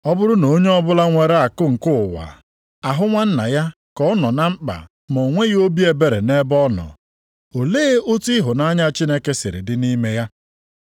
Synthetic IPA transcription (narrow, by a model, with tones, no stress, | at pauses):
ɔ˦bʊ˦ɾʊ˦no˨˦ɲe˦ɔ˦bʊ˦la˦ŋʷe˨ɾe˦a˨kʊ˦ŋ̩˨kʊ˦˨wa̰˨ | a˨ɦʊ˦ŋʷa˦n̩˦na̰˨ja˦ | kɔ˦ɔ˦nɔ˨na˦ŋ͡m̩˦k͡pa̰˨ | mo˨ŋʷe˦ɣo˦bi˦e˨be˦ɾe˨ne˦bɔ˦nɔ̰˨ | o˨leː˦o˦ti˦ɦʊ˨na˦ɲa˦t͡ʃi˦ne˦ke˦sɪ˨ɾḭ˨dɪ˦ni˦me˦ja˦